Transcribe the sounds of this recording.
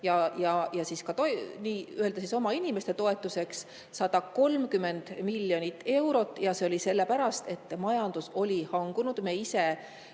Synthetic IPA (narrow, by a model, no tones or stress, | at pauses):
jɑjɑjɑsiskɑt̪oniːye̞ld̪̥ɑsiso̞mɑinʲime̞st̪e̞t̪o̞e̞t̪ːˑuse̞ksː | ɑd̪̥ɑko̞lmkyme̞nd̪̥milːjo̞nʲit̪ːe̞wɾo̞t̪ːˑjɑse̞o̞lʲise̞lːe̞pæɾɑst̪e̞t̪ːˑmɑjɑnd̪uso̞lʲihɑŋɡ̥unud̪̥meːise̞